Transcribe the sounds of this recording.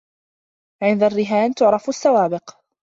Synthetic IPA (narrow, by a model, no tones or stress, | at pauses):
ʕɪnd̪arːɪɦaːnt̪ʊʕɾˤɑfasːawaːbɪq